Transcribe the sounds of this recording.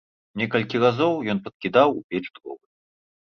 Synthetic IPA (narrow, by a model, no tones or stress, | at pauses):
nʲɛkɐlʲkʲiɣazɔwjɔnpɐt̪̚kʲid̪awupʲɛt͡ʂd̪ɣɔ̰vɨ